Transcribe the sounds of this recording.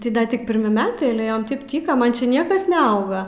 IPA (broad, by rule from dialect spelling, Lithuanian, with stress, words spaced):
tɐɪ ˈdɐ ˈtʲɪk pʲɪrʲˈmʲɪ ˈmʲæːtɐɪ ɐlʲɛ ˈjoːm ˈtɐɪp ˈtʲiːkɐ ˈmɐn t͡ʃʲɛ ˈnʲiɛkɐs nʲɛˈɐʊɡɐ